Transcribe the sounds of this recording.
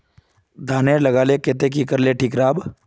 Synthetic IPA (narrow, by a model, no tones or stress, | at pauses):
d̪ʱaːnelɐɡaːleket̪ek̬ikəɾleʈʰiːkɾaːb